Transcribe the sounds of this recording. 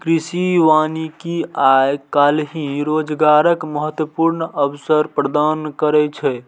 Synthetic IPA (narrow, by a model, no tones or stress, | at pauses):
kɾisiʋanikiajkalɦĩɾod͡ʒɡaɾəkməɦət̪wəpuɾnəbsəɾpɾəd̪ankəɾɛt͡ʃʰɛ